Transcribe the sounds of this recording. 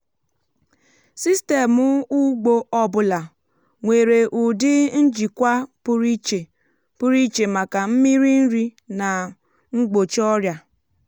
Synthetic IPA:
si˦ste˨mʊ˦u˦ɡ͡bo˦ɔ˦bʊ˦la˨ | ŋʷe˨ɾe˨ʔu˨dɪ˦n̩˦d͡ʒi˨kʷa˦pʊ˦ɾi˦t͡ʃe˨ | pʊ˦ɾi˦t͡ʃe˨ma˨ka˨m̩˦mi˦ɾi˦n̩˦ɾi˦na˨ | ŋ͡m̩˦ɡ͡bo˨t͡ʃɔ˦ɾja˨

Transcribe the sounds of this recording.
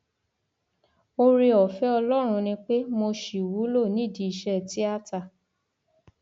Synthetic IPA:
o˧ɾi˧ɔ˨fɛ˦ɔ˧lɔ˦ɾ̃ũ˧nĩ˧k͡pe˦mo˧ʃi˨wu˨˦lo˦˨nĩ˨˦˨di˧˨i˧ʃɛ˧˨ti˨˦a˦ta˧˨

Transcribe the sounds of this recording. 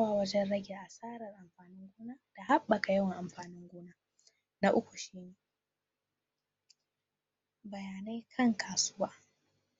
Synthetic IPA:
a˦waː˨wɐ˦d͡ʒɛ˦nɽɐ˦ɡʲeː˨ʔa˨saː˦ɾɐ˨rʔa˨mɸaː˨nɪ˦ŋɡʷʊː˦naː˦d̥a˨ɦa˦ɓːɐ˨ka˨jɐ˦wɐ˨ŋʔa˨mɸaː˨nɪ˦ŋɡʷoː˦naː˦ | na˦ʔʊ˦kʷu˨ʃiː˦neː˨ | bɐ˨jaː˨na˦jkʰɐ˦ŋkʰaː˨sʊ˦waː˦

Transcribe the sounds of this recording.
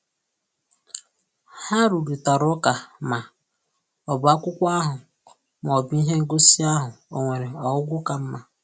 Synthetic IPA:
ha˦ɾu˨ɾi˨ta˨ɾʊ˦ka˨ma˨ | ɔ˨bʊ˨˦a˦kʷʊ˦kʷa˦ɦʊ˨ | m˨ɔ˨bi˦ɦe˦ŋ̩˦ɡo˦si˦a˦ɦʊ˨o˨ŋʷe˨ɾe˨ɔ˨ʊ˦ɡʷʊ˦ka˨m̩˦ma˨

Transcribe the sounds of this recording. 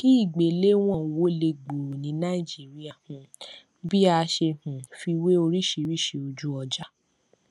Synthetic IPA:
ki˦i˦˨ɡ͡be˨le˦w̃ɔ̃˦˨wo˦le˧ɡ͡bu˨ɾnĩ˨˦nã˦i˨d͡ʒi˦ɾi˦a˨hũ˨ | bi˦a˧ʃe˧hũ˨fi˧we˦o˧ɾi˦ʃi˧ɾi˦˨ʃe˧o˧d͡ʒu˦ɔ˧d͡ʒa˦

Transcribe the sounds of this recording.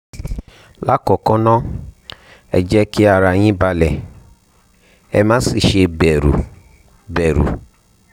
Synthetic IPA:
la˦kɔ˨kɔ˦nɔ̃˦ | ɛ̰˨d͡ʒɛ˦ki˦a˨ɾa˨ɲĩ˦ba˧lɛ˨ | ɛ̰˧mã˦si˨ʃe˧bɛ˨ɾṵ˨ | bɛ˨ɾṵ˨

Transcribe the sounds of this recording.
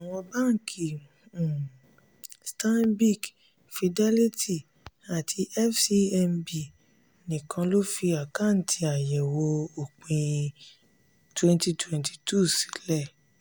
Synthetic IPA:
a˨w̃ɔ̃˧ba˦˨ŋ̩˨kʰi˨ | sta˦nbi˦˨k | fi˧dɛ˦li˦ti˦˨ | a˨tʰi˧ʔɛ˦fsi˧ɛ˧mbi˨ | nĩ˨kʰã˧lo˦fi˧a˨kã˦˨n̩˨tʰi˧a˨jɛ˨wo˧o˨k͡pĩ˧ | twɛ˦nti˧twɛ̃˨nti̥˨tʰu˦˨si̥˨˦lɛ˦˨

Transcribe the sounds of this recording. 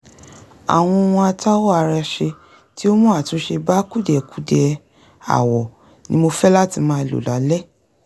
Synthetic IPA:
a̰˨w̃ɔ̃˧w̃ɔ̃˧a˧ta˦wo˦a˧ɾa˧ʃe˧ | ti˦o˦mũ˦a˦˨tũ˨˦ʃe˧ba˦ku˦dɛ˨ku˦dɛ˨ | a̰˨wɔ˨ | nĩ˦mo˧fɛ˦la˦ti˧mãː˧i˧lo̰˨la˨˦lɛ˦

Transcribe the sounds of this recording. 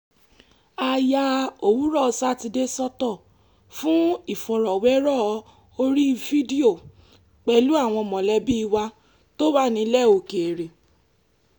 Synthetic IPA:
a˧ja˧o˨wu˦ɾɔ˦˨˦sa˦˨ti˧de˦sɔ˦tɔ˦˨ | fũ˦i˦˨fɔ˨ɾɔ˨wɛ˦ɾɔ˦˨˧ | o˦ɾi˦˧vi˦di˦o˦˨ | k͡pɛ˨lu˦a˦˨w̃ɔ̃˧mɔ̃˨lɛ˧bi˦i˧wa˧ | to˦ba˦˨nĩ˧˦lɛ˦˨o˨ke˨ɾe˨

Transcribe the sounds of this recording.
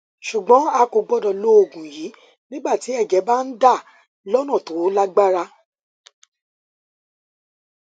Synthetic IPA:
ʃu˨ɡ͡bɔ̃˨˦a˧ko˧ɡ͡bɔ˦dɔ˧˨lo˦o˦˨ɡũ˨jiː˨˦ | nĩ˦ɡ͡ba˦˨ti˨˦ɛ˦˨d͡ʒɛ˨˦ba˦n̩˦da˦˨ | lɔ˦nɔ̃˦˨to˨˦la˦ɡ͡ba˦ɾa˦

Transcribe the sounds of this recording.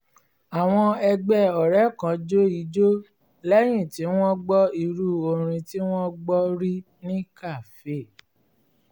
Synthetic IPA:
a˨w̃ɔ̃˧ɛ˧ɡ͡bɛ˦ɔ˨ɾɛ˨˦kã˨d͡ʒo˦i˨˦d͡ʒo˦ | lɛ˦j̃ĩ˦˨ti˨˦w̃ɔ̃˦ɡ͡bɔ˦i˧ɾu˦o˧˨ɾ̃ĩ˧ti˦w̃ɔ̃˦ɡ͡bɔ˦ɾi˦ | nĩ˦ka˦˨fe˦˨

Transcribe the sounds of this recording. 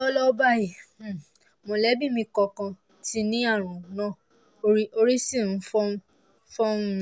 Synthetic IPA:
ɔ˦lɔ˦ba˦˨ji˨˦˨ | mõ˨˧˨lɛ˦bi˦˨mĩ˧kɔ˧kã˧ | ti˧˦nĩ˦a˦˨ɾ̃ũ˨nã˦˨ | i˦o˧ɾi˦sĩ˦˨n̩˨˦fɔ˦ | fɔ̃˦

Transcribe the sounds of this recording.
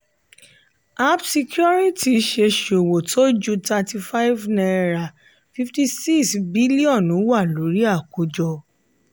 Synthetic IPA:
a˦psi˧kjɔ˦ɾi˦ti˨˦ʃe˧ʃo˨wo˨tʰo˦d͡ʒu˦ta˧ti˧fa˦jvnã˧ɛ˧ɾa˨ | fi˦fti˧si˦ksbi˦li˦ɔ̃˦˨nũ˨˦wa˦˨lo˨˦ɾi˦a˦˨ko˧˦d͡ʒɔ˧

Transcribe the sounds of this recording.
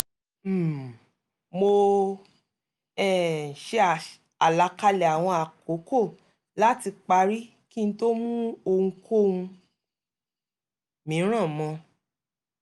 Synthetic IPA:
m̩˨ | mo˧ | ɛ˦˨ʃe˧˦a˨ | a˨la˧ka˧lɛ˨a˨w̃ɔ̃˧a˨ko˨˦ko˦˨ | la˦ti˧k͡pa˧ɾi˦ | ki˦n̩˦to˦mũ˦o˧ŋũ˧kʰo˦˨ũ˧ | mĩ˨˦ɾ̃ã˦˨mɔ̃˧

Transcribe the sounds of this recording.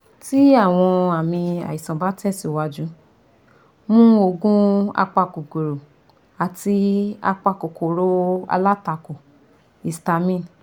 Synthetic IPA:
ti˦a˦˨w̃ɔ̃˧a˨mĩ˧a̰˨i˨sã˨ba˦tɛ˦˨si˨wa˧d͡ʒũ˦ | mũ˦o˧ɡũ˦a̰˧k͡pa˧ku˨ɡo˨ɾo˨ | a˨ti˧a̰˧k͡pa˧˨ko˨ko˨ɾo˨˦a̰˧la˦ta˧ko˨ | i˨sta˧mĩ˦˨n

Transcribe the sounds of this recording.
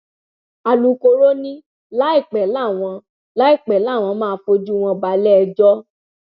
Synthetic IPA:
a˨lu˨˦ko˧ɾo˦nĩ˦ | la˦i˦˨k͡pɛ˨la˦˨w̃ɔ̃˧ | la˦i˦˨k͡pɛ˨laː˦˨w̃ɔ̃˧mãː˦˧fo˧˦d͡ʒu˦˨w̃ɔ̃˧ba˧lɛ˦ɛ˧d͡ʒɔ˦

